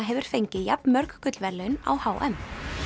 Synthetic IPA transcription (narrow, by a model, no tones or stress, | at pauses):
ɦɛvʏɾ̥fejɲcɪjap̚nmœɾkkʰʏt̪lvɛɾlɛʏna̰whaːwʔɛ̰m